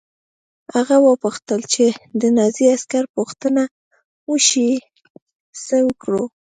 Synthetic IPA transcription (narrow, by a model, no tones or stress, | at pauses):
haɣawəpuxt̪əlt͡ʃed̪ənɑziaskaɾpuxt̪əna | wəʃi | səwəkɽo